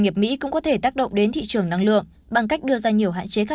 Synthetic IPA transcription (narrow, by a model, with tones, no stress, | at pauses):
ŋi˨˩əp̚mḭ˧˥kʊ̰˧˥ŋ͡mkɔ˨˦t̪ʰe˧˩t̪aː˦˥k̚ɗə̰˧˨ŋ͡mɗe˨˦nt̪ʰḭ˧˨t͡ɕɨ˨˩əŋna˧ŋlɨ̰˧˨əŋ | ɓa˨˩ŋka˦˥k̚ɗɨ˧əzaː˧ɲi˨˩əwɦa̰ː˧˨nt͡ɕe˨˦xaː˦˥